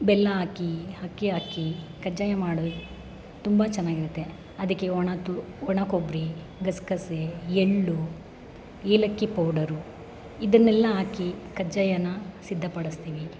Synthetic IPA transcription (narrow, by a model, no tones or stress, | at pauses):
bɛlːɐaːkihɐkːiɦaːkikɐd͡ʒajɐmaːɽu | t̪umbɐt͡ʃɐnːaːɡiɾut̪ːe̞ | ɐd̪ɐkːeɔɳɐt̪u | ɔɳɐkobɾi | ɡɐskɐseeɭːu | eːlɐkːipɐːɖɐɾu | id̪ɐnːɛlːɐɦaːkikɐd͡ʒajɐnːɐsid̪ʱːɐpɐɽist̪iːʋi